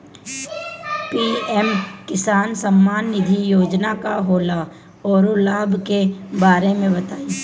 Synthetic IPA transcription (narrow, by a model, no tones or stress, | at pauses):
piːɛmkɪsaːnsəmːaːnːɪd̪ʱijoːd͡ʒnakaɦoːla | ɔːɾʊlaːbʱkebaːɾemẽbɐt̪aːiː